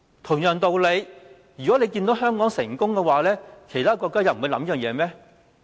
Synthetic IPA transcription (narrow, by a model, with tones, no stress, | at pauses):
t̪ʰʊ˨˩ŋjœː˨˩ŋt̪o˧wle˨˧j | jy˨˩kɔ˨˥le˨˧jkiː˧nd̪o˨˥wɦœː˥ŋkɔː˨˥ŋsɪ˨˩ŋkʊ˥ŋkɛ˧waː˨˧lɛː˥kʰe˨˩jt̪ʰaː˥kɔː˧kːaː˥jɐ˧˨wm̩˨u˨˧lɐ˨˥mji˥jœː˨ŋjɛː˨˧mɛː˥